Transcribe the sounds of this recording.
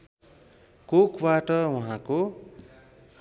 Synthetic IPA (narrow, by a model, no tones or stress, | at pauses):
kokbaʈʌwuɦãko